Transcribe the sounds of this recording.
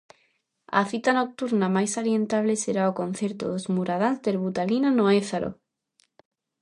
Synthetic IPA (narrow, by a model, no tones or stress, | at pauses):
a̰θit̪anok̚t̪uɾnamajsaljent̪aβleseɾaokõn̟θjeɾt̪oðozmuɾað̞anzd̪eɾβut̪alinanoeθaɾo̰